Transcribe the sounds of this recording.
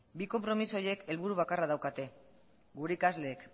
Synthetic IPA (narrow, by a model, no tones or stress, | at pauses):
biko̞mpɾo̞miso̞je̞ke̞lβuɾuβ̞akarað̞awkat̪e̞ | ɡuɾeikazle̞ːk